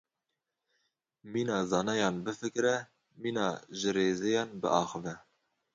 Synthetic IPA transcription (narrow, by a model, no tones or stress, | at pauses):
miːnɑːzɑːnɑjɑːnbɨfɨkɾɛ | miːnɑːʒɨɾeːzejɑːnbɨ̰ʔɑːxɨvɛ